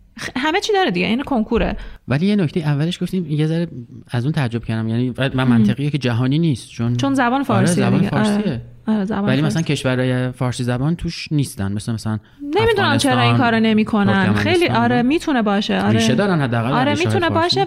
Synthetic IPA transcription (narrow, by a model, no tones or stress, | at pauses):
ɦæme̞t͡ʃʰiːd̪ɒːɾed̪iɟeʔinkʰo̞ŋkʰuɾḛvæliːjenocʰt̪ejiævːæleʃɡoft̪iːmjezæɾeæzuːnt̪ʰææd͡ʒːo̞b̥̚cʰæɾd̪æmjænivæmænt̪ʰeɣijɑːkʰed͡ʒæɦɒːniːniːst̪t͡ʃʰont͡ʃʰonzæbɒːnefɒːɾsizæbɒːnefsɾsie | ɒɾezæ̰bɒvæliːmæsælæncʲʰe̞ʃvæɾɒːjefɒːɾsiːzæbɒːnt̪ʰuːʃniːst̪ænmeslemæsælæn | nemid̪unæmt͡ʃʰeɾɒːĩŋkʰɒːɾone̞miːkʰo̞nænxejliːʔɒɾemiːt̪ʰunebɒːʃeʔɒːɾeʃed̪ɒːɾænhæd̪ːeæɣælɒɾemiːtʰunebɒːʃe